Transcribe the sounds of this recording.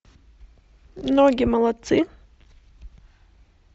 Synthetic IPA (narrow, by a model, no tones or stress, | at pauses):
mnoɡʲɪmɐlˠɐt̪sɨ